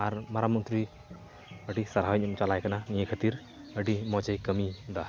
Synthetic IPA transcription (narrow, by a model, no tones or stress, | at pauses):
aɾmaɾamɔnt̪ɾi | əʈisaɾɦaaɲmt͡ʃalajkananijekʰət̪iɾ | əɖimɔt͡ʃəjkəmid̪a